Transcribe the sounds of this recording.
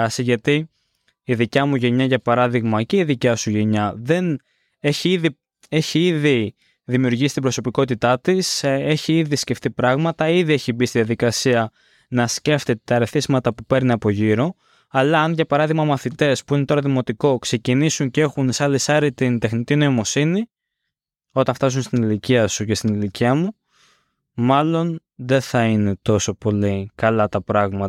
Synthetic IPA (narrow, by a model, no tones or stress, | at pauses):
ɐsiʝɐt̪i | iðicɐmuʝe̞ɲɐʝɐpɐɾɐðiɣmɐce̞iðicɐsuʝe̞ɲɐðe̞n | e̞çiiði | e̞çiiði | ðimiuɾʝisi̥t̪bɾo̞so̞piko̞t̪it̪ɐt̪ise̞çiiðisce̞ft̪ipɾɐɣmɐt̪ɐiðie̞çibist̪iðijɐðikɐsiɐ | nɐsce̞ft̪et̪et̪ɐɾeθizmɐt̪ɐpupe̞ɾneɐpo̞ʝiɾo̞ | ɐlɐːnʝɐpɐɾɐðiɣmɐmɐθit̪e̞spuine̞t̪o̞ɾɐðimo̞t̪iko̞kse̞cinisuncee̞xunsɐlesɐɾit̪ind̪e̞xnit̪ino̞imo̞sini | o̞t̪ɐnft̪ɐs̬unst̪iniliciɐsuce̞st̪iniliciɐmu | mɐlo̞n | ðe̞θɐine̞t̪o̞so̞po̞likɐlɐt̪ɐpɾɐɣmɐt̪